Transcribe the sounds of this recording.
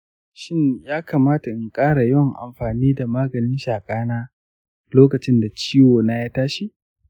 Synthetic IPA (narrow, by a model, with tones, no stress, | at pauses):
ʃɪ˦ɲjaː˦ka˨maː˦ta˨ʔɪ˨ŋkʼaː˦ɽa˨jɔ˦ŋʔa̰˨mɸaː˨niː˦da˨maː˦ɡɐ˨nɪ˦nʃaː˨kʼaː˦naː˦ | loː˦kɐ˨t͡ʃɪ˦nda˨t͡ʃiː˦woː˨naː˦jaː˦taː˦ʃi˦ʔ